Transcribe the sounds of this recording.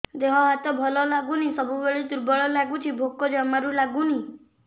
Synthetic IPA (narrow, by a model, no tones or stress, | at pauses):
d̪eɦɔ̃ɦat̪ɔbʱɔlɔlaɡunisɔbʱubeɭed̪uɾbɔɭɔlaɡut͡ʃʰibʱokɔd͡ʒamaɾulaɡuni